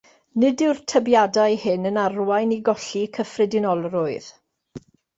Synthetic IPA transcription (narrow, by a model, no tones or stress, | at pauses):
nɪdɪwrtʰəbjadajhɪnənarwajniɡɔɬikʰəfrɪdɪnɔlˠrʊɨð